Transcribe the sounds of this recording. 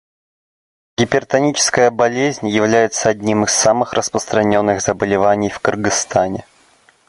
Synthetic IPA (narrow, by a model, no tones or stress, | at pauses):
ɡʲɪpʲɪrt̪ɐnʲit͡ɕɪ̥skəjəbɐlʲezʲnʲjɪvlʲæjɪt̪səɐdʲnʲimɨsːamɨxrʔəspɾəst̪ɾɐnʲo̞nːɨɣzəbəlʲɪvanʲɪjfkərɡɨst̪anʲɪ